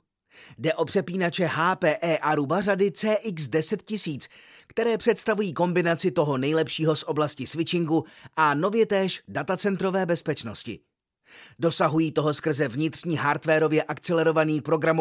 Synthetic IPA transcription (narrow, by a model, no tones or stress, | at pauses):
dɛʔo̞pr̥ɛpiːnat͡ʃɛɦaːpɛːʔɛːʔaɾubaradɪt͡sɛːʔɪksdɛsɛt̪̚cɪsiːt͡skt̪ɛɾɛːpr̥ɛt̪st̪avujiːko̞mbɪnat͡sɪt̪o̞ɦo̞nɛjlɛpʃiːɦo̞sʔo̞blascɪsvɪt͡ʃɪŋɡuʔano̞vjɛt̪ɛːʃdat̪at͡sɛnt̪ɾo̞vɛːbɛspɛt͡ʃno̞scɪ̰ | do̞saɦujiːt̪o̞ɦo̞skr̩zɛvɲɪt̪r̝̥ɲiːɦaɾt̪vɛːɾo̞vjɛʔakt͡sɛlɛɾo̞vaniːpɾo̞ɡɾamo